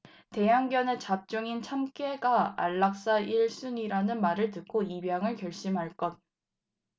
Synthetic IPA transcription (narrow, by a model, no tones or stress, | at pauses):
te̞jaŋɡjʌnet͡ɕap̚t͡ɕ͈oŋint͡ɕʰamk͈eɡaa̰ɭːak̚s͈aiɭs͈uniɾanɯnmaɾɯɭtɯk͈ʰoibjaŋɯɭkjʌɭɕ͈imɦaɭk͈ʌt̚